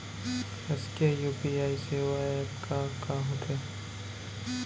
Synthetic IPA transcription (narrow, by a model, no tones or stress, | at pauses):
ɐskejuːpiaːiseʋaepkakaɦot̪e